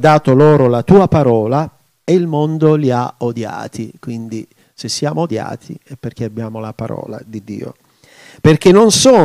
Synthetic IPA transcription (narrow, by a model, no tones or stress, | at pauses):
d̪aːt̪oloːɾolat̪uːapaɾɔːla | eilmond̪oliaod̪ja̰ːt̪ʰikwind̪i | sesːjaːmood̪ja̰ːt̪ʰiɛpːerk̟eabːjaːmolapaɾɔ̰ːla̰d̪id̪ːḭːo̰ | perk̟enːonsɔː